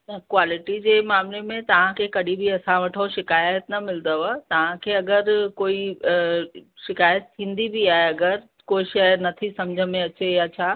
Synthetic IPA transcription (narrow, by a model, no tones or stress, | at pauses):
nɐkwaːlɪʈid͡ʑeːmaːmlemẽt̪ɐʋ̤ãkʰekɐɗʱĩbʱiɐsãʋɐʈʰoʃɪkaːjət̪nɐmɪld̪əʋat̪ɐʋ̤ãkʰeːɐɡəɾkoːi | ʃɪkaːjət̪̚t̪ʰːĩːn̆d̪ibʱiaːɦeɐɡəɾ | koːiʃɐjəɾnɐt̪ʰisɐmd͡ʑʱəmẽɐt͡ɕejat͡ɕʰaː